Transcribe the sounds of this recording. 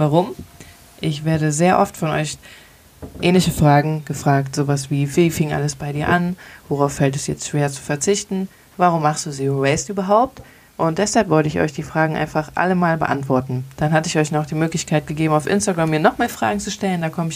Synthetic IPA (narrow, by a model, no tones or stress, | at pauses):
vaʁʊm | ʔɪçv̥eːɐɾəzeːɐʔɔftfɔnʔɔ̰ʏç | ʔɛːnlɪçəfʁ̥aːɡŋ̩ɡ̥əfʁ̥aːktz̥oːvasv̥iːviːfɪŋʔa̰ləsb̥aɪdiːɐʔanvoʁaʊfːɛltɛsjɛ̰t͡stʃv̥eːɐt͡su̥fɛɐt͡sɪçtn̩ | vaʁʊmːaχstd̥uːziːʁɛɪstʔyːbɐɦaʊp̚t | ʔʊnt̚d̥ɛshalpv̥ɔltəɪçʔɔ̰ʏçd̥iːfʁ̥aːɡŋ̩ʔa̰ɪnfaχʔa̰ləmaːlbə̰ʔa̰ntv̥ɔɐtn̩d̥anɦatəɪçɔʏçnɔχd̥iːmøːklɪçkʰaɪt̚ɡ̥əɡeːbm̩aʊfʔɪ̰nstaɡʁamːiːɐnɔχmaːlfʁ̥a̰ːɡŋ̩t͡suʃtɛləndaːkʰɔməɪ